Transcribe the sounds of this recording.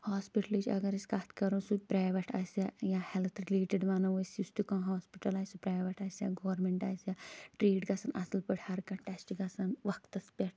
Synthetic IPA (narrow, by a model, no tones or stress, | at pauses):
haːspiʈlit͡ʃʲɐ̰ɡɐɾiskaːt̪ʰkɐɾosupɾaːʋɐʈa̰ːsajahelt̪ʰɾileːʈeɖʋaːnɐʋosust̪ukãːɦaːspiʈɐlaːjsupɾaːʋɐʈaːsjaɡɔːɾmeɳʈaːjsjaʈɾiːɖkɐsɐnɐ̰sɐlpəʈhɐɾkɐʈɛːsʈikɐsɐnʋɐk̚t̪ɐspʲeʈ̚ʰ